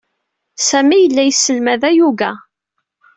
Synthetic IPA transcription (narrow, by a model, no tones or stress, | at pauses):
sæmijəlːæjsːəlmæðæjuvæ